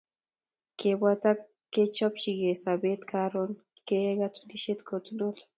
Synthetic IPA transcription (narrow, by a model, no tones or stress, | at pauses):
kebwat̪a | kːet͡ʃɔpt͡ʃiɡesabet̪kʰaɾon | keɡatu̥niʃet̪kʰotunot